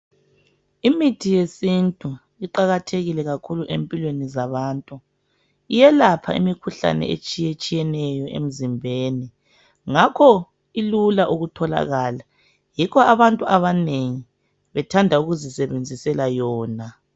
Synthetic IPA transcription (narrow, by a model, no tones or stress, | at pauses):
imitʰijesintʼu | iǃaɣatʰeɣilɛɣakʰuluʔempʼilwenizaβaːntʼu | ijɛlapʰa̰ḭmikʰuɬa̰nɛ̰ḛt͡ʃʼijet͡ʃʼijɛnɛjɔʔḛm̩zimbʱeːni | ŋakʰɔ | ilulaʔuɣutʰɔla̰ɣaːla | jikʰɔaβantʼuaβaneŋi | βɛtʰandʱauɣuzisɛβend͡zʱisɛlajɔːna